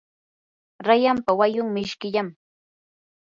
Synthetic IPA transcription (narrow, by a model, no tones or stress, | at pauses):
ɾajampawajʊŋmɪʃkɪʎam